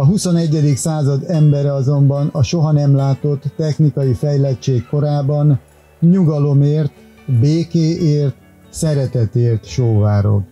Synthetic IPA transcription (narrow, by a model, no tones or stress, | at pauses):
ɒɦuso̞nɛɟːɛd̪iksaːzɒd̪ɛmbɛɾɛɒzo̞mbɒnɒʃo̞ɦɒnɛmlaːt̪o̞t̪ːɛxnikɒjifɛjlɛt͡ʃeːkko̞ɾaːbɒn | ɲuɡɒlo̞meːrt̪ | beːkeːʔeːrt̪ | sɛɾɛt̪ɛt̪eːrt̪ʃoːvaːɾo̰l